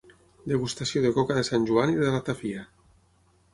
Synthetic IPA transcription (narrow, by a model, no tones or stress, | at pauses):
d̪eɣust̪asjoðekɔkaðesanʲʒuaniðelat̪afia